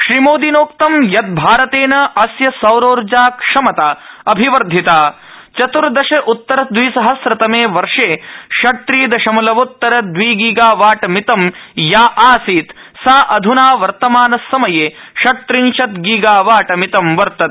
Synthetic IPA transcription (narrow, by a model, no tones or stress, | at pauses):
ʃɾimoːd̪inoːkt̪ɐmjɐt̪̚bʱaːɾɐt̪eːnɐʔɐsjɐsɐwɾoːɾd͡ʒaːkʂɐmɐt̪aːɐbʱiʋɐɾd̪ʱːit̪aː | t͡ʃɐt̪uɾd̪ɐʃɐʔut̪ːɐɾɐd̪ʋiːsɐɦɐsɾɐt̪ɐmeːʋɐɾʂeːʃɐt̪ɾiːd̪ɐʃɐmɐlɐʋut̪ːɐɾɐd̪ʋiːɡiːɡaːʋaːʈɐmit̪ɐmjaːʔaːsiːt̪ | saːʔɐd̪ʱunaːʋɐɾt̪ɐmaːnɐsːɐmɐjeː | ʃɐt̪ɾiɲʃɐt̪ɡiːɡaːʋaːʈɐmit̪ɐmʋɐɾt̪ɐt̪